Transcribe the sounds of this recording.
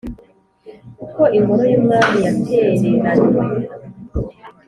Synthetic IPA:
kukoʔiŋɡoɾojomŋaːmijatʰeːɾeɾanie

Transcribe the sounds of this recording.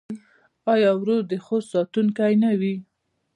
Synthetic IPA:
ɑjɑwɾod̪əxossɑt̪unkajnawi

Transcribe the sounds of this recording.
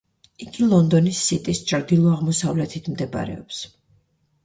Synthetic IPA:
iɡilˠɔnd̪ɔnisːit̪ʼist͡ʃʼɾd̪ilˠɔaʁmɔsavlɛt̪ʰit̪ʰmd̪ɛba̰ɾɛ̰ɔps

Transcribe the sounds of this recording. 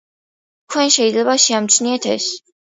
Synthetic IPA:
kʰwɛnʃɛid̪zlɛbaʃiamt̪sʰniɛt̪ʰɛ̰s

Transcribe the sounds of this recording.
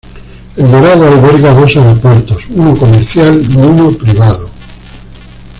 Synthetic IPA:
elβeɾaðoalβeɾɣaðo̞saeɾopweɾt̪osunokomeɾθjalnounopɾiβ̞aðo

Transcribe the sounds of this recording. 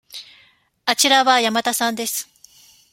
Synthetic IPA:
at͡ɕiɾaβajamat̪asãnd̪e̞sɨ̥

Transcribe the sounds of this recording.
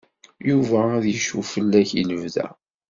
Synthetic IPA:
juvææðjəʃufəlːæçḭləvðæ̰

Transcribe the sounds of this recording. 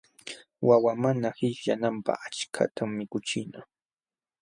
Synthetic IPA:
wawamanahɪʃʎa̰nampa̰χat͡ʃkʰa̰t̪ʰamːɪkʊt͡ʃɪna

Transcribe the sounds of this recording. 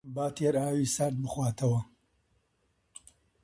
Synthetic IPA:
baːt̪ʰeɾaːwiːsɐɾd̪̚bɨxwaːt̪ʰɐwɐ

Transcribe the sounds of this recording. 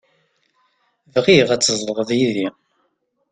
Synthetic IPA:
vʁiʁæt͡sːəzˤləʁəðˤjiði

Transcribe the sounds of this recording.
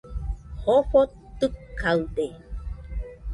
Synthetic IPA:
hoɸo | t̪ɨkkːawd̪e

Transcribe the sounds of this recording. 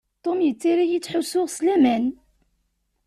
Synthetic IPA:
t̪ˤːomjət͡sːiɾajit͡sːħʊsʊʁslæmæn

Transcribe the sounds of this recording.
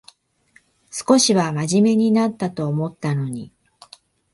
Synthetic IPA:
sɨ̥ko̞ɕiβamaʑime̞ɲ̟inat̪ːat̪o̞ːmo̞t̪ːano̞ɲ̟i

